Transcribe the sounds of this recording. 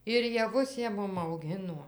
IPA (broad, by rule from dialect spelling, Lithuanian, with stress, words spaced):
ɪr jɛˈʋʊs ˈjiɛ ˈmʊm ɐʊˈɡʲɪnuɔ